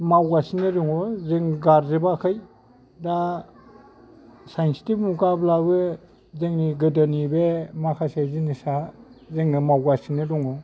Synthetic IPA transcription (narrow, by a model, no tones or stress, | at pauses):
mawɡasinɯɾuŋɔzeŋɡaɾzebakʰɯj | da | sajnsi̥tibmukablabɯ | zeŋniɡɯdanibemakʰasezinisazeŋnɯmawɡasinɯduŋɔ